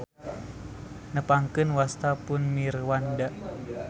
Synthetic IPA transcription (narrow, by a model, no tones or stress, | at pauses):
nəpaŋkɨnwast̪apʊnmirwanda